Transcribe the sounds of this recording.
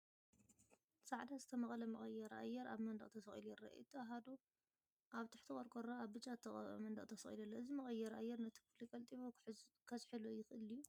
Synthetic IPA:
sʼaʕd̪azɨt̪ʰɐmɐχʼlɐmɐχʼɐjːɛɾʔa̰jːɛɾa̰βmɐnd̪ɐχʼt̪ʰɐsɐxʼḭljɪrɐ̰ʔṵt̪ʰɨaɦad̪o | ʔaβt̪ʰɨ̥ħt̪ʰɨχʼɐɾkʼoɾaaβbɨt͡ʃʼːat̪ʰɐxʼɐɐ̰mɐnd̪ɐ̰χʼt̪ʰɐsɐxʼḭlɐlːɐɨzimɐχʼɐjːɛɾʔajɛɾnɐt̪ʰi̥kʰlikʼɐlt̪ʼiβokʰɐzħilojɪxʔɨliju

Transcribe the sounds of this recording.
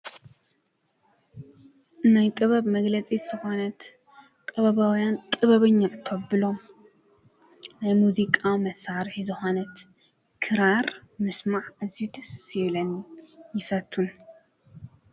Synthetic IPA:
najk̪ʼɨβɐβmɐɡlɐt͡sʼiz̥ɨxo̞nɐt̪ | kʼɐβɐβawjant̪ʼɨβɐβɨɲːaʕɨt̪ʰoβbɨlo̞ | najmuzikʼawmɐsaɾħizɨxo̞nɐt̪ | kʰɨɾaɾmɨsmaʕɨzijut̪ʰɐsβlɐnijɪfɐt̪ʰːun

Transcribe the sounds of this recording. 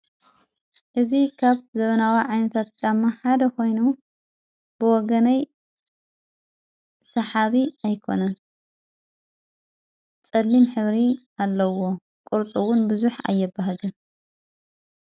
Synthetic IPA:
ʔɨzikʰaβzɐβɐnawiʕajnɐt̪ʰat̪̚zʼamːaħad̪ɐkʰo̞jnu | b̥ɨwɔɡɐnɐj | sɐħaβiajkʰo̞̰nɐn | t͡sʼɐlːimħɨβɾi | alːɐwo̞ | kʼʊɾt͡sʼuwʊnbɨzuħa̰jːɛbːaɦɐlɨn

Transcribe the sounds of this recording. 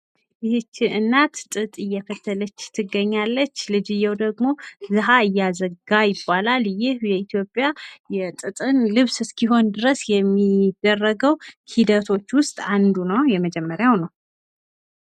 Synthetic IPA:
jɪhɨt͡ʃːɪɨnːat̪t̪ʼɨt̪ʼɨjːɛfət̪ʰːələt͡ʃːt̪ʰɨɡːəɲːalːət͡ʃːlɨd͡ʒɨjːɛwd̪əɡmo̞zɨɦaɨjːazəɡajɪbːalaljɪhjɛit̪ʰjo̞pʼjajɛt̪ʼɨt̪ʼɨnlɨβsɨskʰiɦo̞nd̪ɨɾəsjɛmːid̪̥ːərːəɡəwhid̪ət̪ʰo̞t͡ʃːwʊst̪ʼand̪unəwjɛməd͡ʒɛmːəɾjawnəw

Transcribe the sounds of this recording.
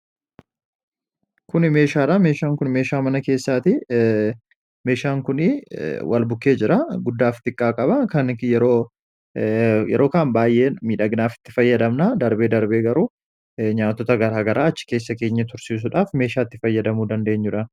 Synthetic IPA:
kʊnɪme̞ːʃaːᶑɐme̞ːʃaːŋkʊnme̞ːʃaːmɐnɐke̞ːsːaːt̪ɪ | me̞ːʃaːŋkʊnɪwʔɐ̰lbʊkːe̞ːd͡ʒɪɾɐɡʊd̪ːaːft̪ɪkʼːaːkʼɐbɐkɐnjɛɾo̞ː | jɛ̰ɾo̞ːkaːnbaːjʔeːmiːᶑɐɡnaːfɪ̥t̪ːɪ̥fɐjːɐd̪ɐmnad̪ɐɾbe̞ːd̪ɐɾbe̞ːɡɐɾuː | ɲaːt̪ːɔt̪ɐɡɐɾaːɡɐɾʔaːɐt͡ʃːɪ̥ke̞ːsːɐke̞ːɲːɐt̪ʊɾsiːs̬ʊᶑaːfme̞ːʃaːt̪ːɪfɐjːɐd̪ɐmuːd̪ɐnd̪e̞ːɲːʊᶑɐ

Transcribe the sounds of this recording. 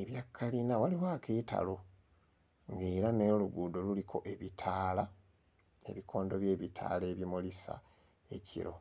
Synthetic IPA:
eβjakʰːalinawaliwaːkʰeta̰lo̞ | ŋɡe̞ːɾane̞luɡuːdo̞lulikʰo̞̰ʔe̞βitʰaːla | e̞̰βikʰo̞ːndo̞βje̞ːβitʰa̰ːle̞ːβimulisa̰ | e̞cḭɾo̞̰

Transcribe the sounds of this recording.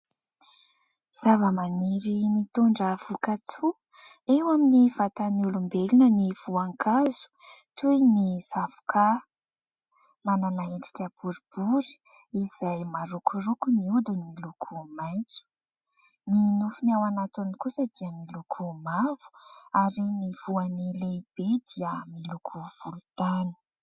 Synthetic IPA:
z̥avəmaniɾimit̪uɳɖ͡ʐəv̥ukat͡su | ewaminivat̪anulumbelinəniv̥uaŋkʰazu̥t̪ujniz̥avu̥kʰa | mananaeɳɖ͡ʐi̥kʲəb̥uɾib̥uɾi̥ | iz̥ajmaɾukʰuɾukuniud̪unimilukʰumajnt͡su̥ | ninufunawanat̪unikusəd̪̥iəmilukʰumavu̥aɾiniv̥uanileb̥ed̪iəmilukʰuv̥ulut̪ani̥

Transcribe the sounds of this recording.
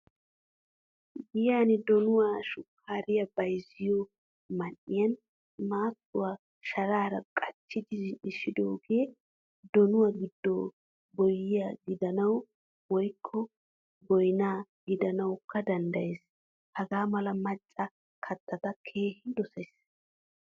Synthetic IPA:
bɪjaːnɪd̪ɔnʊwaːʃʊkʰːaːɾɪjɐbɐjzɪjɔ | mɐnːɪjɐn | maːt͡sːʊwaː | ʃɐɾaːɾɐkʼɐt͡ʃːɪd̪ɪᶑɪʃɪd̪oːɡe̞ː | d̪ɔnʊwaɡɪd̪ːo | bɔjːɪjaɡɪd̪ɐnɐw | wɔjkʰːɔ | bɔjɪnaː | ɡɪd̪ɐnɐwkʰːɐd̪ɐnd̪ɐje̞ːs | hɐɡaːmɐlɐmɐt͡ʃʼːɐ | kʰɐt̪ːɐt̪ɐkʰe̞ːhɪd̪ɔsɐjs

